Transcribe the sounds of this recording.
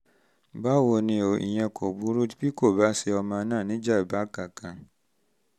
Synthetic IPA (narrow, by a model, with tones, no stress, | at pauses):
ba˦˨wo˨nĩ˧˦o˨ḭ˨jɛ̃˧ko˨bu˦ɾu˦ti˦pi˦ko˦˨ba˦sɛ˧ɔ˧mã˧˦nãː˦˨nĩ˨˦d͡ʒa˦˨ba˦ka˨kã˨